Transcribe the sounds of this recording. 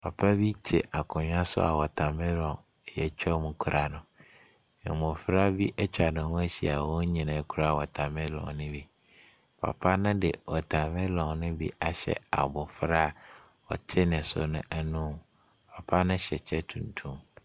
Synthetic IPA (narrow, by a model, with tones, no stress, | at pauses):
pʰa˨pʰa˦bi˦t͡ɕʰɛ̰˨ʔa˨kʰʊ̃˨ɲᶣ˦ã˦sʊ̰˦a̰˨wɔ˨tʰa˨mɪ̃˦lɔ̃˨ŋ˨ | jɛ˨t͡ɕᶣɛ˦mʊ̃˨kʰu˨ɾʔa˨nʊ̃˨ | ɪ̰˨mʊ̃˨fɾa˦bi˦ʔɛ˦t͡ɕʰᶣa˨nɪ̃˨hʊ̃˦æ˦ɕi˨a̰˨wɔ̃˦ɲĩ˨nã˨kʰu˦ɾa˦˨wɔ˨tʰa˨mɪ̃˦lɔ̰̃˨ŋnɪ̃˦bi˨ | pʰa̰˨pʰa˦nʊ̃˦dɪ˨wɔ˨tʰa˨mɪ̃˦lɔ̃˨ŋnʊ̃˦bḭ˦a˨ɕɛ̰˨a̰˨bʊ˨fɾa˦˨ | ɔ̰˨tʰɪ˦nɪ̃˨sʊ̰˨nʊ̃˦ʔæ˨nũ˦ | pʰa˨pʰa˦nʊ̃˦ɕɛ˨t͡ɕʰɛ˦tʰũ˨ntʰũ˦m